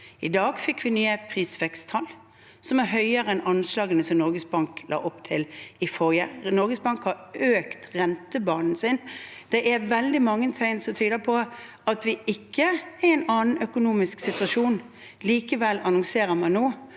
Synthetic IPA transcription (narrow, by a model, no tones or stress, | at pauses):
ɪd̪ɑːɡfɪkːʋɪnyːəpʰʁiːsʋɛkst̪ʰɑl | sɔmæɾɦœʏəʁəɛnɑnslɑːɡənəsɔmnɔɾɡəsbɑŋklʔɑ̰ːʔɔpt̪ʰɪlɪfɔɾjənɔɾɡəsbɑŋkhɑɾøːkt̪ʁɛnt̪əbɑːnn̩sɪnd̪̥ɛʔæɾʋɛld̪ɪmɑŋːənsʰæɪnsɔmt̪ʰyːd̪əpʰɔ | ɑt̪ʋɪɪkʰːəæɛɪnɑːnn̩œkʊnuːmɪsksɪt̪ʉʋɑʂuːn | liːkəʋɛlɑnɔŋseːɾəmɑnːoː